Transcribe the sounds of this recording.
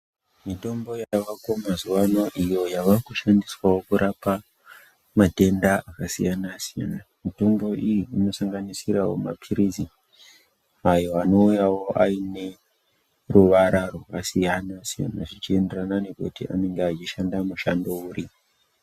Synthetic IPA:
mito̞mbo̞jaʋakomazuwano̞ʔijo̞jaʋakuʃandiswawo̞kuɾʔapa | mate̞ndaakasḭjanasija̰namito̞mbo̞ʔijiːno̞saŋɡanisiɾawo̞̰ma̰pʰiɾizi | ajo̞ano̞ujawo̞ʔaine̞ | ruʋaɾarwakasijanasija̰naʐit͡ʃie̞nde̞ranane̞kṵtiʔa̰ne̞ŋɡeat͡ʃiʃandamuʃando̞uɾi

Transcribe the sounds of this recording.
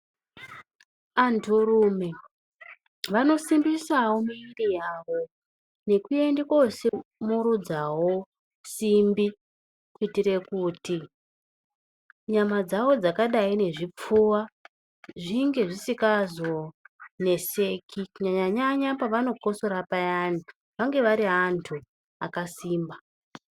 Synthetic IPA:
antuɾume | ʋano̞simbisawo̞miirijaʋo̞ | ne̞kue̞ndekosimuɾud͡zawo̞ | simbi | kuitire̞kuːti | ɲamad͡zawo̞d͡zakaɗaine̞ʐip͡fuwa | ʐiŋɡe̞ʐisikazo̞ne̞se̞kʰikuɲaɲaɲaɲapaʋano̞ko̞so̞ɾapajana | ʋaŋɡe̞ʋaɾiɦantʰu | akasiːmba

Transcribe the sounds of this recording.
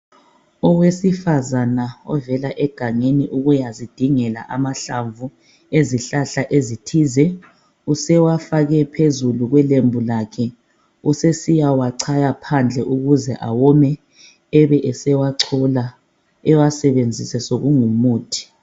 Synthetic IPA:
ɔwesifazanaɔ̰vɛlaʔɛɡ̥ʱaŋeniʔuɣujazid̥ʱiŋɛla̰ʔamaɬaɱvu | eziɬaɬaʔezitʰizɛ | usɛwafaɣɛpʰezuluɣwɛlembʱulakʰɛ | usesijawaǀʰajapʰand͡ɮʱɛʔuɣuzɛʔawɔmɛ | ɛβɛʔɛsɛwaǀʰɔla | ɛwasɛβend͡zʱisɛsoɣuŋumuːtʰi̥

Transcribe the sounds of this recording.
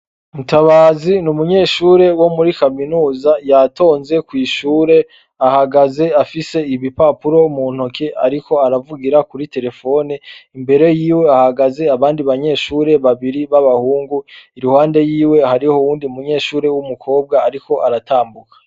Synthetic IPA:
umutaβaːzinumuɲe̞ːʃuːɾe̞wo̞muɾikaminuːzajatʰo̞ːnze̞kwiːʃuːɾe̞ | ahaɡaze̞afise̞iβipapuɾo̞mun̥okea̰ɾiko̞aɾavuɡiɾakuɾite̞ɾe̞fo̞niimbe̞ɾe̞jiːwe̞ahaɡaze̞aβaːndiβaɲe̞ːʃuːɾe̞βaβiɾiβaβahuːŋɡuiɾuhaːnde̞jiːwe̞haɾihowuːndiumuɲe̞ːʃuːɾe̞wumukʰo̞ːb̚ɡaːɾiko̞ʔaɾataːmbukḁ

